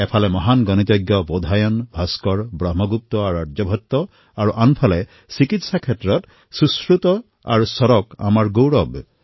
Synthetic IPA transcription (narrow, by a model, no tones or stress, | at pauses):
epʰalemɔɦanɡɔnit̪jɔɡjɔbod̪ʱajɔnbʱaskɔɹbɾɔɦmɔɡup̚t̪ɔaɾuadd͡ʒɔbʱɔt̪ːɔ | aɾuʔanpʰale | sikit̪sakʰetɾɔt̪ | suskɾut̪ɔ | a̰ɹusɔɾɔka̰maɹɡowɾɔb